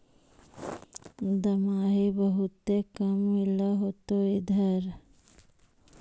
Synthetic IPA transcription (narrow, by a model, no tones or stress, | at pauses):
d̪ɐmaːɦibəɦʊt̪ːekəmːɪloɦoːt̪oid̪ʱɐɾ